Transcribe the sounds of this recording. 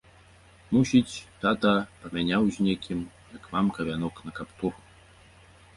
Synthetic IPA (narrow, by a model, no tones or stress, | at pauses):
musʲit͡sʲt̪at̪ɐpɐmʲanʲawzʲnʲekʲim | jɐkvamkɐvʲanɔknɐkapt̪ur